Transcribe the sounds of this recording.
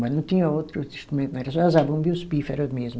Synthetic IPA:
mɐ̃nɐ̃w̃t̪iɲɐot̪ɾuĩʃt̪ɾumẽnñɛɾɐsɔ̃zabɐ̃b̪iwsu̥pifɛɾɐmeʒmu

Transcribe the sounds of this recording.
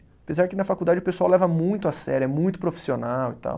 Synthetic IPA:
apezaɾɪkɪnɐfakuwd̪ad͡ʒɪʊpesuawlɛvɐmũj̃t̪ʊasɛ̰ɾʊɛmũj̃t̪ʊ̥pɾofi̥sionawit̪a̰w

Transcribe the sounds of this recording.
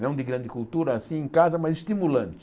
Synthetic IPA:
nɐ̃w̃d̪ɪɡɾɐ̃nd̪ɪkult̪uɾɐːsĩẽkazɐmɐzɪst̪imulɐ̃nt͡ʃ̪ɪ̥

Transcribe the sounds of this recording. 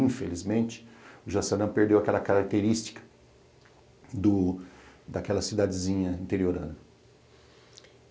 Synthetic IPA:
ĩfelizmẽnt͡ʃɪ̥ʊʒasɐnɐ̃peɾd̪ewakɛlɐkaɾak̚t̪eɾist͡ʃi̥kɐ̥ | d̪ʊ | d̪akɛlɐsid̪ad͡ʒɪzĩɲɐĩnt̪eɾioɾɐ̃nʊ

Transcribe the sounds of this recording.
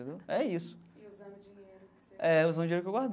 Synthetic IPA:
ẽd̪ewɛisʊ̥ | ɛuzɐ̃w̃d͡ʒieɾʊkewɡwaɦd̪

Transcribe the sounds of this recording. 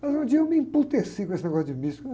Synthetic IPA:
mɐzũd͡ʒ̪iɐewmĩmput̪esikõesɪneɡɔsjud̪ɪmiʃk

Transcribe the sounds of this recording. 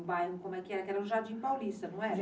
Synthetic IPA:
bajũkõmʊɛkɪɛɾɐkɛɾɐũʒaɾd͡ʒĩpawlist̪ɐnɐ̃w̃ɛ

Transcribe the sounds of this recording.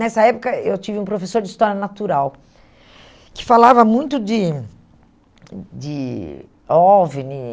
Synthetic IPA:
nɛsɐɛpʊkɐewt͡ʃivɪũpɾofesoɾd͡ʒɪist̪ɔɾjɐnat̪uɾaw | kɪ̥falavɐmũj̃t̪ʊd͡ʒɪ | d͡ʒɪ | ɔvenɪ

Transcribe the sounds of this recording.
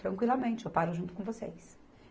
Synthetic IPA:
t̪ɾɐ̃ŋkwilamẽnt͡ʃɪopaɾʊʒũt̪ʊkõvosḛjs

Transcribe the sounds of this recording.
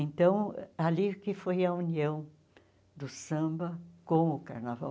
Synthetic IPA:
ẽnt̪ɐ̃w̃alikɪfojɐuniɐ̃w̃ | d̪ʊsɐ̃bɐkõw̃ʊkaɾnava̰w

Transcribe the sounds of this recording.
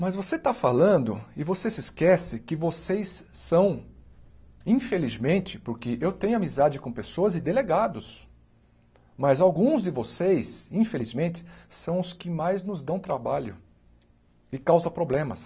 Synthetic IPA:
mɐzvoset̪afalɐ̃nd̪ʊɪvosesɪskɛsɪkɪvosejsːɐ̃w̃ | ĩfelizmẽnt͡ʃɪ̥pʊɾkɪʔewt̪ẽɲʊamizad͡ʒɪkõpesoɐzɪd̪eleɡad̪ʊs | mɐzawɡũzd͡ʒɪvosejsĩfelizmẽnt͡ʃɪ̥sɐ̃w̃ʊskɪmajznʊzd̪ɐ̃w̃t̪ɾabaʎʊ̰ | ɪkawzɐpɾoblẽmɐs

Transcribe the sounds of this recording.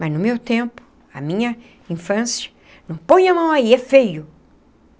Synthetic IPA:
mɐznʊmewt̪ẽmpʊ̥ | ɐmĩɲɐ | ĩfɐ̃sjɐ̥ | nɐ̃w̃põj̃ɐmɐ̃w̃aiɛfejʊ

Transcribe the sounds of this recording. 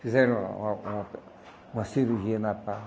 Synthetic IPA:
fizɛɾõ̰ũ | ũasiɾuʒiɐnapa

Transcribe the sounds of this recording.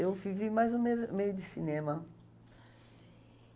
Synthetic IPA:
ewvivimajzʊmemejʊd̪ɪsinẽmɐ

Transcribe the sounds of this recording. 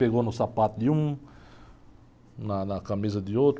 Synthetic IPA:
peɡonosapat̪̚jum | nanakamis̬ad̪jos

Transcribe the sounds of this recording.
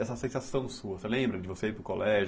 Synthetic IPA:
ɛsɐsẽsasɐ̃w̃suɐselẽmbɾɐd͡ʒɪvoseipɾʊkolɛʒ

